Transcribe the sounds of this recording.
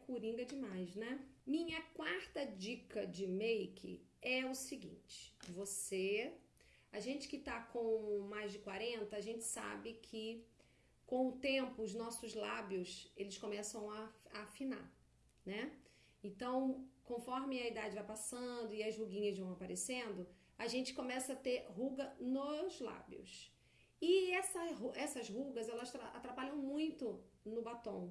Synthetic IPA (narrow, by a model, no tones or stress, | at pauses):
kuɾĩŋɡɐd͡ʒɪmajznɛmĩɲɐkwaɾt̪ɐd͡ʒikɐd͡ʒɪmejkʰɪ̰ɛʊsɪɡḭ̃t͡ʃɪ̥vose | ɐʒẽnt͡ʃɪ̥kɪt̪akõmajzd͡ʒɪkwaɾẽnt̪ɐːʒẽnt͡ʃɪ̥sa̰bɪkʰɪ | kõw̃ʊt̪ẽmpʊːznɔsʊzlabjʊselɪskõmɛsɐ̃w̃ɐafina̰ | nɛ | ẽnt̪ɐ̃w̃kõfɔɾmɪɐid̪ad͡ʒɪvajpasɐ̃d̪ʊɪɐzhuɡĩɲɐzvɐ̃w̃apaɾesẽnd̪ʊ | aʒẽnt͡ʃɪ̥kõmɛsɐat̪eɾɦuɡɐnʊzla̰bj̰ʊ̰s | ɪɛsɐɦuɛsɐzɦuɡɐzɛlɐsɾaa̰t̪ɾapaʎɐ̃w̃mũj̃t̪ʊnʊbat̪õw̃